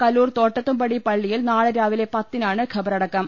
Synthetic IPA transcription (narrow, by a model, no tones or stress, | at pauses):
kɐluːrt̪o̞ːʈːɐt̪ːumpɐɽipɐɭːijilnaːɭɨɾaːʋile̞pɐt̪ːinaːɳɨɡʰʱɐbɐɾɐɽɐkːɐm